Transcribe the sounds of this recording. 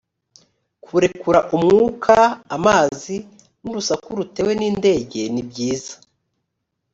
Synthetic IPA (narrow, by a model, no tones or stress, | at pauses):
kʰuɾe̞kuɾaʔumŋuːkʰaːmaːzi | nuɾusakuɾute̞we̞niːnde̞ːɟe̞nibɟiːza